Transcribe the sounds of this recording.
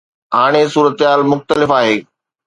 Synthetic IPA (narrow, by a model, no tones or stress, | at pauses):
ɦaːɽ̃esuːɾət̪ɦaːlmʊxt̪əlɪfaːɦeː